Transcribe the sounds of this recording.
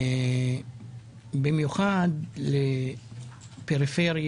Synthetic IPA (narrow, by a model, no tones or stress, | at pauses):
bimjuχad̪le | peʁifeʁj